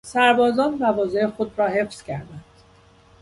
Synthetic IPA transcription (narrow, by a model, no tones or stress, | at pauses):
sæɾbɒːzɒːnmævɒːzejexod̪ɾɒːhe̞fscʰæɾd̪ænd̪̥